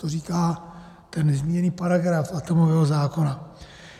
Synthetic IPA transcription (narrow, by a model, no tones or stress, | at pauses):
t̪oriːkaː | t̪ɛnːɛzmiɲɛniːpaɾaɡɾafat̪o̞movɛːɦozaːko̞na